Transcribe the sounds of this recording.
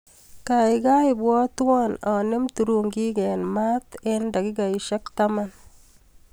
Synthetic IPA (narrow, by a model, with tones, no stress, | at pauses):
ka˨ɪɡaɪbwɔ˦t̪wɔna˨nɪ˦mtuɾuŋɡi˦ɡɛ˨nma˦t̪enda˨ɡɪ˦ɡa˨iʃɛ˦k̚taman